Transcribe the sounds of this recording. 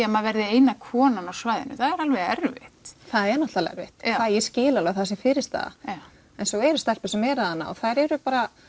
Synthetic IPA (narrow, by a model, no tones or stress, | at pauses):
amaðvɛɾðɪeːjnakʰɔːnanawsvajðɪ̰nʏθaðɛɾalvɛðɛ̰ɾvɪ̰ht̪θaðɛɾnɔht̪alɛ̰ɾvɪ̰ht̪kvaðjɛscɪːlalaɣθasɪfɪːɾɪst̪a̰ːða̰ | ɛnsɔɣɛɾʏst̪ɛl̥pʏsɛmɛɾaðanːa̰ɔ̰θaðɾɛɾʏpaːɾa